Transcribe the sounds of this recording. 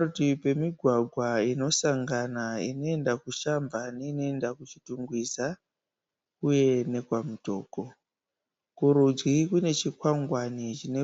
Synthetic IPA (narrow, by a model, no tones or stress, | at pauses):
utipe̞miɡʱwaɡʱwaino̞saŋɡanaḭno̞e̞ndakuʃambaneino̞e̞ndakut͡ʃituŋɡwisa | kuje̞ne̞kwamuto̞̰ːko | kuɾud͡zwikune̞t͡ʃikwaŋɡwanit͡ʃine